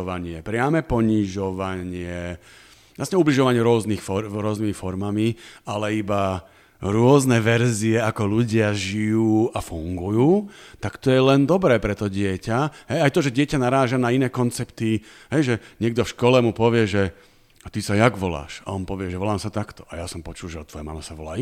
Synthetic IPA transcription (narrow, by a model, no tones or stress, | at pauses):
ʋaɲɪɛpɾɪamɛpɔɲiʒɔʋaɲɪɛ | lasɲɛubliʒɔʋaɲɪɛɾʊɔznixfɔɾʊɔznimifɔɾmamialɛiba | ɾʊɔznɛʋɛɾziɛakɔluɟɪaʒijuːafuŋɡujuːt̪akt̪ɔjɛlɛnd̪ɔbɾɛːpɾɛt̪ɔɟɪɛcaɦɛjajt̪ɔʒɛɟɪɛcanaɾaːʒanainɛːkɔnt͡sɛpt̪i | ɦɛjʒɛɲɪɛɡ̚d̪ɔfʃkɔlɛmupɔʋɪɛʒɛ | at̪isajaɡʋɔla̰ːʃaɔnpɔʋɪɛʒɛʋɔlaːmsat̪akt̪ɔ̥ʔajasɔmpɔt͡ʃulʒɛɔt̪ʋɔjɛma̰mɛsaʋɔlaː